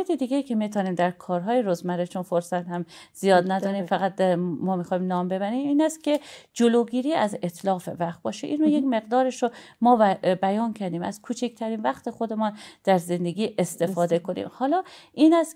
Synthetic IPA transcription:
et̪ʰed̪iːɡʲejiːcʰe̞mit̪ʰɒːniːmd̪æɾkʰɒːɾɦɒːjeɾozmæɾet͡ʃʰonfoɾsæt̪hæmz̥ijɒːd̪næd̪ɒːɾiːmfæɣæt̪̚mɒːmixɒːimnɒːmbe̞bæɾiːmiːnæst̪̚cʲʰe̞d͡ʒoloːɡiːɾiːæzet̪ʰlɒːfevæχt̪̚bɒ̰ːʃḛʔiːnɾojecme̞ɣd̪ɒːɾeʃɾomɒːbæjɒːncʰæɾd̪iːmæ̰z̥kʰuːt͡ʃʰicʰt̪ʰæɾiːnvæχt̪e̞xod̪emɔːnd̪̥æɾze̞nd̪eɡʲiːʔest̪e̞fɒːd̪ekʰo̞nḭːmhɒːlɒːiːnæst̪

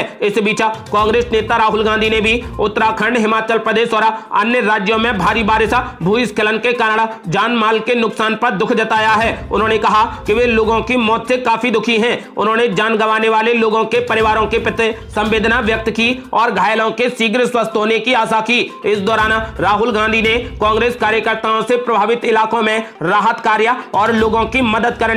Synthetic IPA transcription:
ɪsbiːt͡ʃakãːŋɡɾeːsneːt̪aɾaːɦʊlɡãːnd̪ʱinebʱiʊt̪ːɾakʰə̃ɳɖɦɪmaːt͡ʃəlpɾəd̪eːʃɔːɾɐ̰njəɾaːd͡ʒjõmẽbʱaːɾibaːɾɪʃabʱuːɪskələnkekaːnaɽad͡ʒaːnmaːlkenʊksaːnpɐɾd̪ʊkʰd͡ʒɐt̪aːjaɦɛːʊnɦõːnekɐɦakiʋeloːɡõkimɔːt̪sekaːfid̪ʊkʰiɦɛ̃ːʊnɦõːned͡ʒaːnɡəʋaːneʋaːleloːɡõkepɐɾɪʋaːɾõkepɪt̪e | sɐ̃mʋeːd̪ʱnaʋjək̚t̪kiɔːɾɡʱaːjlõkesiːɡɾəswəst̪ɦoːnekiaːsakiɪsd̪ɔːɾaːnɾaːɦʊlɡãːnd̪ʱinekãːŋɡɾeːskaːɾjəkəɾt̪aõsepɾɐbʱaːʋɪt̪ɪlaːkõmẽɾaːɦət̪kaːɾjaɔːɾloːɡõkimɐd̪əd̪kɐɾ

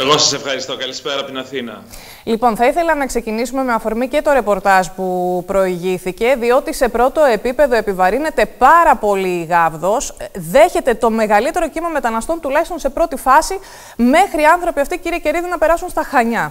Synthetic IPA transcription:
eɣo̞sɐsefxɐɾist̪o̞kɐlispeɾɐɐpot̪inɐθinɐ̰ | lipo̞nθɐiθe̞lɐnɐkse̞cinisume̞meɐfo̞ɾmice̞t̪o̞ɾe̞po̞ɾt̪ɐʒpupɾo̞iʝiθice̞ðio̞t̪ise̞pɾo̞t̪o̞e̞pipe̞ðo̞e̞pivɐɾine̞t̪e̞pɐɾɐpo̞liːɣɐvðo̞sðe̞çe̞t̪e̞t̪o̞me̞ɣɐlit̪e̞ɾo̞cimɐme̞t̪ɐnɐst̪o̞nt̪ulɐçist̪nse̞pɾo̞t̪ifɐsi | me̞xɾiɐnθɾo̞piɐft̪iciɾiece̞ɾiðinɐpe̞ɾɐsunst̪ɐxɐɲɐ

